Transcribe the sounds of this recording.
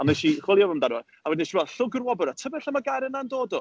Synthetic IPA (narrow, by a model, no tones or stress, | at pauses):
ɔnɛʃiχwɪlˠjɔvəmdanwɔ | awɛdnɛʃivɛlɬʊɡərwɔbəɾatʰəvɛɬamaɡaɾənandoːdɔ